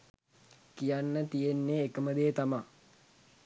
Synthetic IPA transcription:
kijanːət̪ijenːeːkəməd̪ejːt̪ama

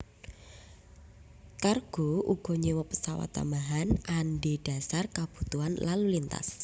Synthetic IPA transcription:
karɡ̥o̤ʔuɡ̥ɔ̤ɲewɔpəsawa̰t̪ːa̰maɦananɖeɖ̥a̤sarkab̥ṳt̪uanlalulint̪a̰s

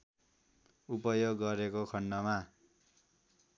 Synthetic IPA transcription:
upʌjoɡːʌɾekokʰʌɳːʌma

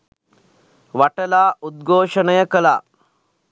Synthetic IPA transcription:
ʋaʈɐlaːʔud̪̚ɡʱoːʂɐnɐjɐkɐla̰ː

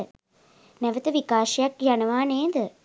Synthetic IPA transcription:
nɛʋət̪əʋikaːʃɐjakjanəʋaːneːd̪ə

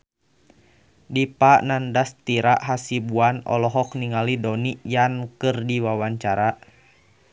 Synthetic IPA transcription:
dipaʔnandast̪iɾaʔɦasibuanɔ̰lɔɦɔkniŋalidɔnijankɨrdiwawaɲt͡ʃaɾa

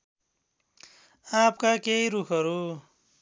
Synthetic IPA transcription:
ap̚ʰkakejɾukʰʌɾu

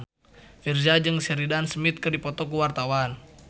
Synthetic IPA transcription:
fird͡ʒad͡ʒɨŋsɛɾidansmit̪̚kɨrdipɔt̪ɔk̬uwart̪awan

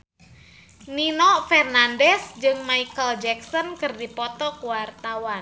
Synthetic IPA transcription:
ninɔfɛrnandɛsd͡ʒɨŋmaikəld͡ʒɛksɔnkɨrdipɔt̪ɔkuwart̪awan

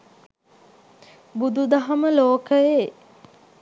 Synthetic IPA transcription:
bud̪ud̪ɐɦɐməloːkəje

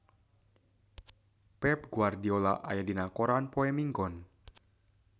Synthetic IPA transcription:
pɛp̚ɡuardiola̰ʔa̰jadinakɔɾanpoɛmiŋɡɔn

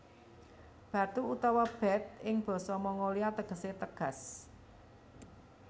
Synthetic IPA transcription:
b̥ä̤t̪uut̪awab̥ɛ̤t̪̚ɪŋb̥ɔ̤sɔmɔŋoliat̪əɡ̥ə̤set̪əɡ̥a̤s

